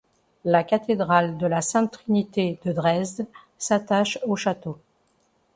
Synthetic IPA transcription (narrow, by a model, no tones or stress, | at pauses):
lakʲat̪ed̪ʁald̪əlasɛ̃t̪χinit̪ed̪əd̪ʁɛzd̪ | sat̪aʃoʃat̪o